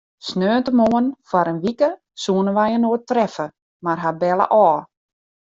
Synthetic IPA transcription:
snøːntəmoənfaɾənʋikə | suənəʋajənoətrɛfə | marɦabɛlˠə̰ʔɔː

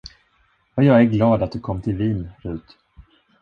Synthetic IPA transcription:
ɑjɑːɡæɾɡlɑːd̪at̪̚d̪ɵkʰɔmːt̪ʰɪlviːnɾʉ̟ːt̪

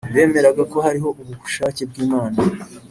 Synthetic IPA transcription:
βe̞ːme̞ɾaɡako̞haɾiɦo̞ʔuβuɡu̥ʃaːceb̚ɡiːmaːna

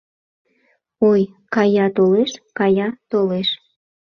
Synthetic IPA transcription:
oj | kɑjɑt̪oleʃkɑjɑt̪oleʃ

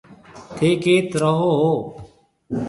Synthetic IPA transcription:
t̪ʰeːkeːt̪ɾəɦoːɦoː

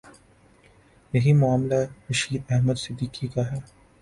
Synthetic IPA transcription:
jɐɦimʊaːmlaɾɐʃiːd̪ɛɦməd̪sɪd̪ːiːkikaɦɛː

